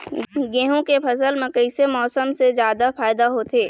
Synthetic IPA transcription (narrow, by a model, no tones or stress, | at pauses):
ɡẽːɦõkepʰɐsəlmẽkəɪsemɔːsəmsezjaːd̪afaːɪd̪aɦot̪eː